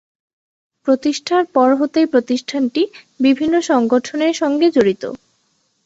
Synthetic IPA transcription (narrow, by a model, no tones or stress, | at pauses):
pɾot̪iʃʈʰaɾpɔɾɦot̪epɾot̪iʃʈʰanʈi | bibʱinːoʃɔŋɡoʈʰoneɾʃɔŋɡed͡ʑoɾit̪o̰